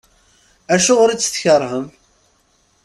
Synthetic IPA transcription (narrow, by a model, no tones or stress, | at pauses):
æʃʊʁɾit͡sːə̥θçəɾˤhəm